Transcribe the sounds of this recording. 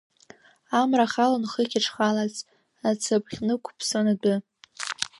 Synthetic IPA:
amraχalanχəkʲʰaʈ͡ʂʰχalat͡sʼ | at͡sʰabʰχʲnɨkʷʰpʰsonadʊ

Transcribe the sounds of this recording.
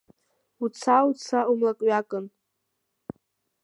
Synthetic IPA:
ut͡sʰawt͡sʰaumlakʼɥakʼɨn

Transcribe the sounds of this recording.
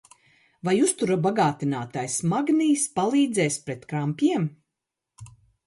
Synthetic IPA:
vajust̪uɾabaɡaːt̪inaːt̪ajsmaɡniːspalˠiːd̪zɛjspɾet̪kɾampʲjiɛm

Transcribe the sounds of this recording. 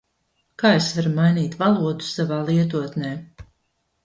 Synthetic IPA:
kaːesvaɾumajniːt̪valˠuɔd̪u̥savaːlˠiɛt̪uɔt̪nɛː

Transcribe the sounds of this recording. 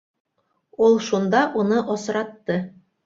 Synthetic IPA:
ulˠʃund̪ɑʔunɤʔosɾɑt̪ːɤ

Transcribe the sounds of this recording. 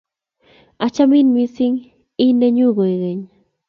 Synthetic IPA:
at͡ʃamɪnmɪsɪŋ | ineɲoɢojɢeɲ

